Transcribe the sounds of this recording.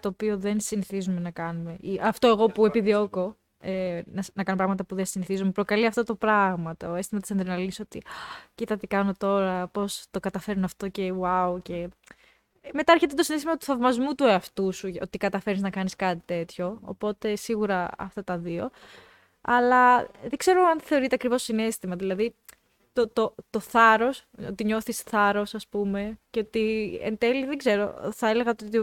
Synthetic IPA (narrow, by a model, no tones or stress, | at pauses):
t̪o̞ːpio̞ðe̞nsiniθizume̞nɐkɐnume̞iʔɐft̪o̞e̞ɣo̞pue̞piðio̞ko̞ | enɐsnɐkɐnopɾɐɣmɐt̪ɐpuðensiniθizumepɾo̞kɐliɐft̪o̞t̪opɾɐɣmɐt̪ɐoe̞st̪imɐt̪i̥send̪ɾinɐliso̞t̪icit̪ɐt̪ikɐno̞t̪o̞ɾɐpo̞st̪o̞kɐt̪ɐfe̞ɾunɐft̪o̞ce̞wauce̞ | me̞t̪ɐeɾçet̪et̪o̞sinest̪imɐt̪u̥θɐvmɐzmut̪ueɐft̪usuot̪ikɐt̪ɐfe̞ɾniznɐkɐniskɐt̪it̪e̞t̪ço̞̰ːpo̞t̪e̞siɣuɾɐɐ̰ft̪ɐt̪ɐðio̞ | ɐlɐðeɡze̞ɾoɐnθe̞o̞ɾit̪e̞ɐkɾivo̞sine̞st̪imɐðilɐði | t̪ot̪ot̪o̞θɐɾo̞so̞̰t̪iɲo̞θisθɐɾo̞sɐspume̞ceot̪iḛnt̪e̞liðe̞ɡze̞ɾo̞̰θɐele̞ɣɐot̪ot̪i